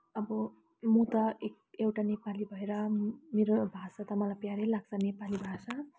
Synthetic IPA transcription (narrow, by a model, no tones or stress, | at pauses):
ʌbʌ | mũt̪ʌek | ewʈanepalibʱʌeɾʌmeɾobʱasat̪ʌmʌlapjaɾelaɡ̚t͡sʰʌnepalibʱasa